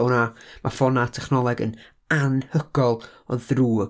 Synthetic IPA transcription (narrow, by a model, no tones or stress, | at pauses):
namʔafɔnatʰɛχnɔlˠɛɡən | anhəɡ̥ɔlˠɔðruː